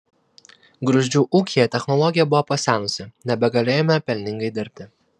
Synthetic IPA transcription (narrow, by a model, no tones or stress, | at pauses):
ɡɾʊʒʲd͡ʒʲuːʔuːkʲijɛt̪ʲɛxnɔlˠɔɡʲɪjɛbʊʋopɐsʲæːnʊsʲɪnʲɛbʲɛɡɐlʲeːjɛmʲɛpʲɛlʲnʲɪŋɡɐɪd̪ʲɪɾʲpʲt̪ʲɪ